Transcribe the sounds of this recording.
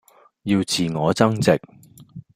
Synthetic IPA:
jiː˧wt͡sʰiː˨ŋɔː˨˧t͡sɐ˥ŋt͡sɪ˨k̚

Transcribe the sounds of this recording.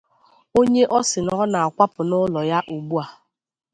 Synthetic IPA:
o˦ɲe˦ʔɔ˦sɪ˨nɔ˦na˨a˨kʷa˦pʊ˨nʊ˦lɔ˨ja˦ʔu˨ɡ͡bu˦a˨

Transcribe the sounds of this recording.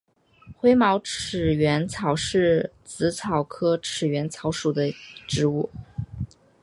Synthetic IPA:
xwe˥ɪmɑ˧˥ʊʈ͡ʂ̩ʰ˨˩ɥɛ˧˥nt͡sʰɑ˨˩ʊʂɻ̩˥˩t͡sɹ̩˧˥t͡sʰɑ˨˩ʊkʰɤ˥ʈ͡ʂʰɻ̩˨˩ɥɛ˧˥nt͡sʰɑ˧˥ʊʂu˨˩d̪ə˦ʈ͡ʂɻ̩˧˥u˥˩

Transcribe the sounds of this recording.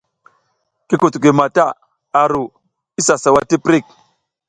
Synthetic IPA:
ki˦ku˨tɡi˨ma˨ta˦˨ | a˨ɾu˨ | i˦sa˨sa˨wa˦ti˦pɾi˦˨k̚

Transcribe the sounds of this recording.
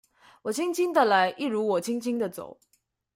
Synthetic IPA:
wɔ˨˩t͡ɕʰi˥ŋt͡ɕʰi˥ŋd̪ə˨la˧˥ɪʔi˥˩ɻu˧˥wɔ˨˩t͡ɕʰi˥ŋt͡ɕʰi˥ŋd̪ə˨t͡so̰˨˩˦ʊ

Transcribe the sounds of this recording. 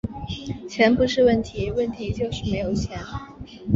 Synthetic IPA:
t͡ɕʰjɛ˧˥npu˧˥ʂɻ̩˥˧wə˥˩nt̪ʰi˧˥wə˥˩nt̪ʰi˧˥t͡ɕjo˥˧ʊʂɻ̩˥˩me˧˥ɪjo˨˩ʊt͡ɕʰjɛ˧˥n

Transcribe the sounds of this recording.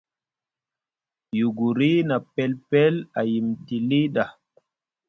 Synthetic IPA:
ju˨ɡu˨ɾi˦na˨pɛ˦lpɛ˦la˨ji˨mti˨li˦ɗa˨

